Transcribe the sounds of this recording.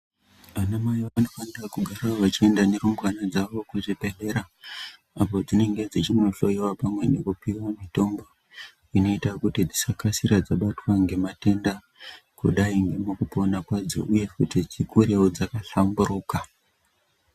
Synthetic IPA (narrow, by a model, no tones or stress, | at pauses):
anamajoano̞fanirakuɡʱaɾaʋat͡ʃie̞ndane̞ɾumbwanad͡zaʋo̞kuʐipe̞ɬe̞ɾa | apo̞d͡zine̞ŋɡe̞d͡zit͡ʃimunoɬo̞jiwapamwe̞ne̞kupiwamito̞mbo̞ | ino̞itakutid͡zisakasiɾad͡zaɓatwaŋɡe̞mate̞nda | kṵɗaiŋɡemokupo̞nakwad͡zo̰ʔuje̞kutid͡zikuɾewod͡zakaɬamburuːka